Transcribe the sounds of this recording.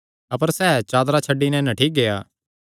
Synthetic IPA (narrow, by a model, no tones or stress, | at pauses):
ɐpəɾsɛːt͡ʃaːd̪ɾat͡ʃʰɐɖːinɛ̃nɐʈʰiːk̚ɡejaː